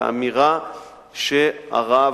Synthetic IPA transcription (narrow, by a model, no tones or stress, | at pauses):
a̰miʁa | ʃea̰ʁa